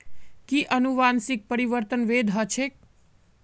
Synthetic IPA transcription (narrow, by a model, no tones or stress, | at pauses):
kiʔənuʋansik̚pəɾiʋəɾt̪ənʋed̪ʱɦət͡ʃʰek̚